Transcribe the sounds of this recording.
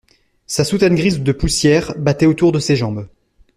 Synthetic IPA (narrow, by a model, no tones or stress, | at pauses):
sasut̪anɡʁizd̪əpusjɛʁbat̪ɛot̪uʁd̪əseʒɑ̃b